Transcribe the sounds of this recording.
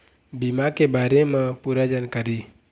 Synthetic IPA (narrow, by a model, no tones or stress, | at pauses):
bimakebaːɾemãpuɾad͡ʒankəɾiː